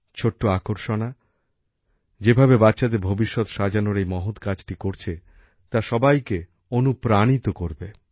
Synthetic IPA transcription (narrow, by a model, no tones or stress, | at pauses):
t͡ɕʰoʈːoakoɾʃona | d͡ʑebʱabebatːɕad̪eɾbʱobiʃːot̪ʃad͡ʑanoɾejmɔɦot̪kad͡ʑʈikoɾt͡ɕʰe | t̪aʃɔbajke | onupɾanit̪okoɾbe